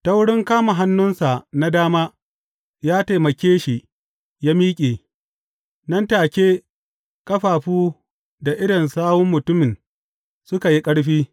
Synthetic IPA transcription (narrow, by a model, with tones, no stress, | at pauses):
ta˦wʊ˦ɽɪ˦ŋkaː˦ma˨ɦa˦nːʊ˦nsa˨na˦daː˦maː˦ | jaː˦ta˨jmɐ˨kʲeː˦ʃi˨ | jaː˦miː˦kʲʼeː˨ | nɐ˦ntaː˨kʲeː˦ | kʼɐ˦ɸaː˨ɸuː˦ | da˨ʔɪ˦ɽɪ˨nsaː˦bʊ˦mːʊ˨tʊ˦mɪ˨n | sʊ˦ka˨ji˦kʼɐ˦ɽɸiː˦